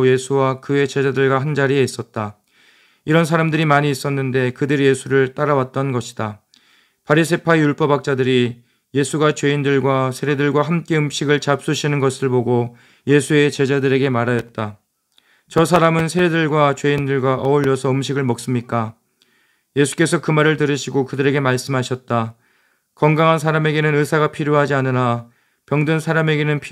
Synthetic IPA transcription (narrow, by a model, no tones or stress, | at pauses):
je̞sʰuwakɯe̞t͡ɕe̞d͡ʑadɯɭɡwaɦand͡ʑaɾie̞is͈ʌt̚t͈a | iɾʌns̬ʰaɾamdɯɾimaɲiːs͈ʌnːɯnde̞kɯdɯɾije̞sʰuɾɯɭt͈aɾawat̚t͈ʌnɡʌɕʰi̥d̥a | pʰaɾisʰe̞pʰaejuɭp͈ʌbak̚t͡ɕ͈adɯɾi | je̞sʰuɡat͡ɕwe̞indɯɭɡwasʰeɾedɯɭɡwaɦamk͈e̞ɯmɕʰiɡɯɭt͡ɕap̚s͈uɕʰinɯnɡʌsʰɯɭboɡo | je̞sʰue̞t͡ɕe̞d͡ʑadɯɾe̞ɡe̞maɾajʌt̚t͈a | t͡ɕʌsʰaɾamɯnsʰeɾedɯɭɡwat͡ɕwe̞indɯɭɡwaʔʌuʎːʌsʰʌɯmɕʰiɡɯɭmʌk̚s͈ɯmɲik͈a | je̞sʰu̥k͈e̞sʰʌkɯmaɾɯɭtɯɾɯɕʰiɡokɯdɯɾe̞ɡe̞maɭs͈ɯmɦaɕʰʌt̚t͈a | kʌŋɡaŋɦans̬ʰaɾame̞ɡe̞nɯnɯsʰaɣapʰiɾjoɦad͡ʑianɯna | pjʌŋdɯnsʰaɾame̞ɡe̞nɯnpʰ